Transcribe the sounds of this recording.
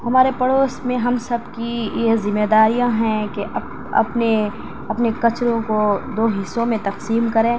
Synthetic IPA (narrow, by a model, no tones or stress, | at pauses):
hɐmaːɾepɐɽoːsmẽɦɐmsɐbkijezɪmːeːd̪aːɾijãɦɛ̃keʔɐb | ɐ̰pne | ɐpnekɐt͡ʃɾõkod̪oːɦɪsõmẽt̪ɐqsiːmkɐɾẽː